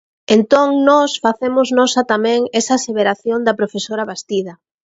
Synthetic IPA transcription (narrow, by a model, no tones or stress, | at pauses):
ent̪oŋnɔsfaθemʊznɔsɐt̪amɛ̃ŋesaseβeɾaθjond̪ɐpɾofesoɾaβast̪ið̞ɐ